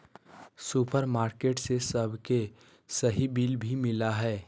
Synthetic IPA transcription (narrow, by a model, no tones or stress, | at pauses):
supəɾmaːɾkeːʈsesəbʱke | səɦibiːlbʱimɪlaɦɛː